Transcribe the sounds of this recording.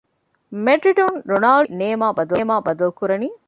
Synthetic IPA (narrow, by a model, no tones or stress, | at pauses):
meɖɾiɖonɾonaːlineːmaːbɐd̪ɐːmaːbɐd̪ɐlkuɾɐniː